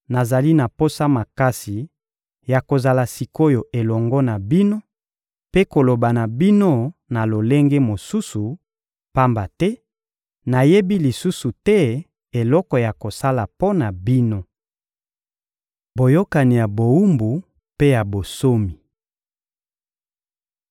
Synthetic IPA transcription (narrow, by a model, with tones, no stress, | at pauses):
na˨za˨li˦na˨po˦sa˦ma˨ka˦si˨ | ja˨ko˨za˨la˨si˨ko˦jo˨ʔe˨lɔ˨ŋɡɔ˦na˨bi˦no˦ | pe˦ko˨lo˨ba˨na˨bi˦no˦na˨lo˨le˦ŋɡe˦mo˨su˦su˨ | pa˦mba˨tɛ˦ | na˨je˦bi˦li˨su˦su˨tɛ˦ | e˨lɔ˦kɔ˨ja˨ko˨sa˦la˨po˦na˨bi˦no˦ | bo˨jo˦ka˨ni˨ja˨bo˨u˦mbu˨ | pe˦ja˨bo˨so˦mi˨